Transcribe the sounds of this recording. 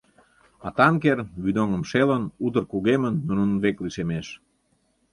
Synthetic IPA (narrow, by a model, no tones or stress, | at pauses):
ɑt̪ɑŋkerβyd̪oŋəmʃelənut̪ərkuɣemənːunənβekliʃemeʃ